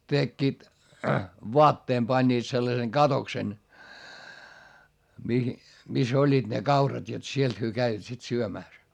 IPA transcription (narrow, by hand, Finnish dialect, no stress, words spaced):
tekːiːt ʋoɑtːeːm pɑnʲːiːt selːɑseŋ ɡ̊ɑtoksen mihi mis olʲːiːd̥ ne kɑurɑt jot sielt hyø kæiʋæt sit syømæˑs